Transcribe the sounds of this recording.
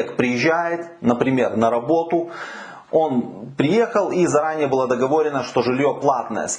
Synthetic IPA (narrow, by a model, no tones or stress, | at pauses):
kpɾʲɪjɪʑːæjɪt̪ | nəpɾʲɪmʲernəɾɐbo̞t̪ʊ | o̞npɾʲɪje̞xəlˠizɐɾanʲɪjəbɨlˠad̪əɡɐvo̞ɾʲɪnəʂt̪o̞ʐɨlʲjo̞plˠat̪nə̰jə̰s